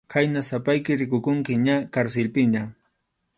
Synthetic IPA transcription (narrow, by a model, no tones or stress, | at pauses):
kʰajnasapajkɪɾɪkʊkʊŋkɪɲakaɾselpɪɲa